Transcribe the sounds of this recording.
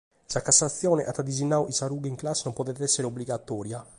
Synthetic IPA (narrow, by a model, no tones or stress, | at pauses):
sakasːat̪sːjɔːneʔat̪ːad̪izinːawʔisaɾuːɡiiŋklasːenɔmpɔt̪ɛt̪ɛsːeɾeobliɡat̪ːɔːɾja